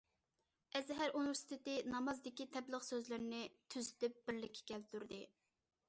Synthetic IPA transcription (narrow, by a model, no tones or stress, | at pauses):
ɛzɦæɾuniveɾsi̥t̪ʰɪt̪ɪnɑmɑzd̪ɪkʲit̪ʰɛblˠəχsøzlɪɾnɪt̪ʰyzɪt̪ɪp̚b̥ɪɾlɪkʲʰːɛ̥kʲɛlt̪yɾd̪ɪ